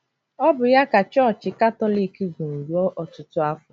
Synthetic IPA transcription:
ɔ˦bʊ˨ja˦ka˨t͡ʃɔ˦˨t͡ʃɪ˨ka˦tɔ˦li˨ki˦ɡu˨n̩˨du˨ɔ˦ʔɔ˨tʊ˦tʊ˦a˦fʊ˨

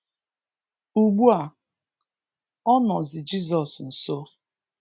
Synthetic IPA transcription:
u˨ɡ͡bu˦a˨ | ɔ˦nɔ˨zɪ˨d͡ʒi˦zɔ˨sn̩˨so˦

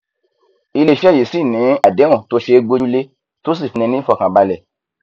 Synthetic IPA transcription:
i˧le˧˨ʃɛ˦˨e˨si˦˨nĩ˨˦a˦˨dẽ˨˦ɔ̃˦˨to˧˦ʃe˧ɡ͡bo˧u˦le˦ | to˦s̬i˦˨fi˨˧nĩ˧nĩ˦fɔ˧˨kã˨ba˧lɛ˨

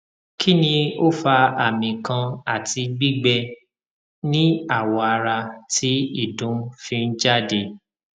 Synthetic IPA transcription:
kʰi˦nĩ˧o˦fa˧a˨mĩ˨kã˧a˨ti˧ɡ͡bi˦ɡ͡bɛ˧ | nĩ˦a˦˨wɔ˨˧a˧ɾa˧tʰi˦i˦˨dũ˨˦fĩ˧n̩˦d͡ʒa˦˨de˧

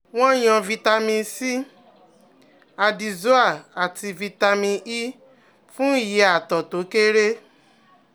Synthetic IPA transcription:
w̃ɔ̃˦j̃ɔ̃˧vi˧ta˧mĩ˧si˦ | a˧di˨zo˦a˦˨a˨ti˧vi˧ta˧mĩ˧i˦ | fũ˦˨ji˨˦a˨tɔ˨to˨˦ke˦ɾe˦

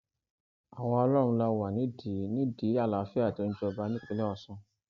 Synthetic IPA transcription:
a˨wɔ̃˧ɔ˧lɔ˦ɾ̃ũ˧la˧wa˨nĩ˨˦di˨˦nĩ˦di˨˦a˦˨la˨˦fi˦a˦˨ti˨˧ñ̩˦d͡ʒɔ˧ba˧˦nĩ˦k͡pe˧lɛ˦ɔ˧sũ˧

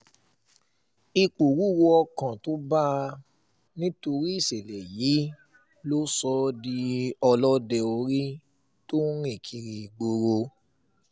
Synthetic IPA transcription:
i˧k͡po˨ɾu˨˦wo˧ɔ˧kã˨to˨˦ba˦ | nĩ˦to˧ɾi˦i˦˨se˨lɛ˨ji˨˦ | lo˦sɔ˧di˧ɔ˧lɔ˦dɛ˧o˧ɾi˦ | to˦ɾ̃ĩ˦˨kʰi˧ɾi˧˨ɡ͡bo˧ɾo˧

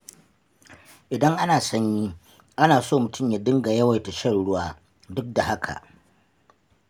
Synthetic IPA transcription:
ʔɪ˨dɐ˦ŋʔa˦naː˨sɐ˦ɲji˦ | ʔa˦naː˨soː˦˨mʊ˨tʊ˦mja˨dɪ˦ŋɡa˨jɐ˦wa˨jta˨ʃɐ˦˨nɽʊ˦waː˦ | dʊ˦k̚da˨ha˦kʰa̰˨ʔ

